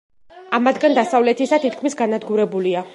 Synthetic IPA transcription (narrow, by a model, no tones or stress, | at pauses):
amad̪ɡand̪asavlɛt̪ʰisat̪ʰit̪̚ʰkʰmisɡanad̪ɡuɾɛbulia